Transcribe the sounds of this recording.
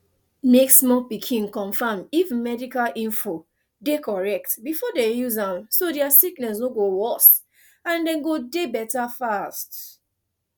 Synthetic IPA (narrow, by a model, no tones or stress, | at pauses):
meksmɔpikʰĩnkɔ̃ɱfamifmɛdikalʔĩɱfo | dekɔɹɛk̚tbifɔdejuzãmsodiasiknɛsnoɡowɔs | ãndɛ̃nɡodebɛtafast